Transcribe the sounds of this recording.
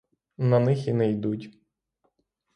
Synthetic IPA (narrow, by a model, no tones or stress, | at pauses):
nɐnɪxinɛjd̪utʲ